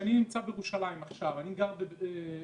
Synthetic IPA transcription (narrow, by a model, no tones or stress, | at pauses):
aninimt͡sabejeʁuʃalajimaχʃavaniɡaʁbebe